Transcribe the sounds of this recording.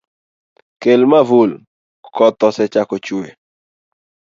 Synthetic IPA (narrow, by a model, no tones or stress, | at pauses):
kelmavul | kɔtɔsɛt͡ʃakot͡ʃue